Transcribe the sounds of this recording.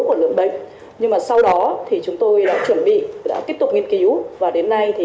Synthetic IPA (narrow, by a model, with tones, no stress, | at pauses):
ku˧˩əlɨ̰˧˨əŋɓə̰˧˨ŋ̟ | ɲɨ˧ŋmaː˨˩sa˧wɗɔ˨˦t̪ʰi˨˩t͡ɕʊ˨˦ŋ͡mt̪o˧jɗa̰ː˧˥t͡ɕwə˧˩nɓḭ˧˨ɗa̰ː˧˥t̪i˦˥əp̚t̪ʊ˨˩k͡p̚ŋi˧ənki˨˦wvaː˨˩ɗe˨˦nːa˧jt̪ʰi˨˩